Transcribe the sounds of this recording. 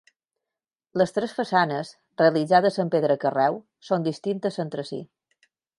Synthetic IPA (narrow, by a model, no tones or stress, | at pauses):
ləst̪ɾesfəsanəz | reəlid͡zað̞əzəmpeðɾəkərɛw | sond̪ist̪int̪əzənt̪ɾəsḭ